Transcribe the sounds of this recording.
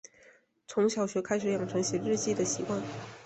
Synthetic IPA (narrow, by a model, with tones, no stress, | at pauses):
t͡sʰʊ˧˥ŋɕjɑ˨˩ʊɕɥɛ˧˥kʰa˥ɪʂɻ̩˨˩˥jɑ˨˩ŋʈ͡ʂʰɤ˧˥ŋɕjɛ˧˥ɻɻ̩˥˧t͡ɕi˥˩d̪ə˩ɕi˧˥kwa˥˩n